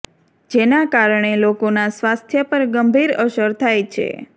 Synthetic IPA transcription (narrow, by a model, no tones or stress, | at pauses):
d͡ʒenakaɾɳelokonasʋast̪ʰjəpəɾɡəmbʱiɾəʃəɾt̪ʰajt͡ʃʰḛ